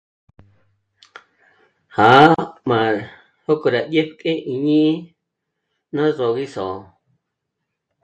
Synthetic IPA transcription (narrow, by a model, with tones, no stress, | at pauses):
ha˨˦mã˨ɾ | ho˦kʼo˨ɾa˨dje˦pkʼe˦ʔi˨ɲĩ˦ | nã˦ʐo˨ɣi˦so˨